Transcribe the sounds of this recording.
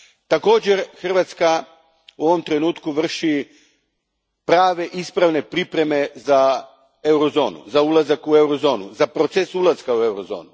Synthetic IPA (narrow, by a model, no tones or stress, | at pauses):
t̪ako̞ːd͡ʑe̞ɾxr̩ʋat̪ska | uo̞ʋo̞mt̪ɾe̞nuːt̪kuʋr̩ʃi | pɾaːʋe̞ʔispɾaʋne̞pɾipɾe̞me̞za | e̞wɾo̞zo̞̰ːnṵzaulˠazakue̞wɾo̞zo̞ːnuzapɾo̞t̪sesulazkaue̞wɾo̞zo̞̰ːnu